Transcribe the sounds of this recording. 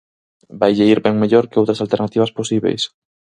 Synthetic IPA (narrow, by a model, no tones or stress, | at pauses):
bajʎeiɾbɛŋmeʎoɾkeɪowt̪ɾasalt̪eɾnat̪iβ̞asposiβḛjs